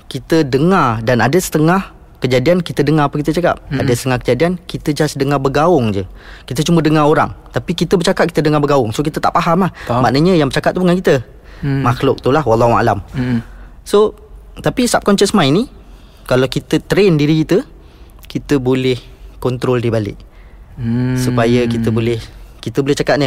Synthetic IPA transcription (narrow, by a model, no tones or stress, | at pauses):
kit̪ədəŋardanadəsə̥t̪əŋah | kəd͡ʒadiankit̪ədəŋaɾapəkit̪ət͡ʃaka̰p̚adəsət̪əŋahkəd͡ʒadiankit̪əd͡ʒasdəŋabəɡaʊŋd͡ʒə | kit̪ət͡ʃumədəŋaɾoɾa̰ŋt̪apikit̪əbət͡ʃakap̚ki̥t̪ədəŋabəɡaʊŋsokit̪ət̪a̰ʔpaɦamlahma̰ʔnəɲə̃jaŋbət͡ʃakat̪̚ubŋankit̪ə | maxlʊk̚t̪ulaɦwalːɑɦua̰lam | so | t̪apisap̚kɔnt͡ʃəsmãjni | kalawkit̪ət̪ɾendiɾikit̪ə | kit̪əbolɪhkɔnt̪ɾoldibalɪ̰ʔ | supajəkit̪əbolɪhkit̪əbolɪht͡ʃakaʔ̚nə